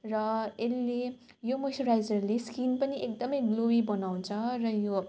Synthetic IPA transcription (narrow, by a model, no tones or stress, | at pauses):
rʌelːe | jomoʈʰoɾajd͡zʌrleskinpʌniʔek̚d̪ʌmʌjɡlowibʌnaw̃t͡sʰʌrʌjo